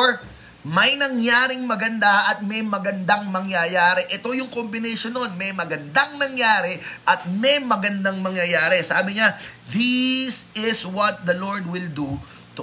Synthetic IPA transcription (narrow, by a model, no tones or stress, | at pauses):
ɹ | mɐjnɐŋjaːɾɪŋmɐɡɐnd̪aʔɐt̪̚mɐjmɐɡɐnd̪aŋmɐŋjɐjaːɾɛʔɛt̪o̞jʊŋko̞mbɪnɛʃonːonmɐjmɐɡɐnd̪aŋnɐŋjaːɾɛʔɐt̪̚mɛjmɐɡɐnd̪aŋmɐŋjɐjaːɾɛsaːbɪɲa | ðɪsɪswɐt̪̚d̪ɐloɹd̪wɪld̪u | t̪ʊ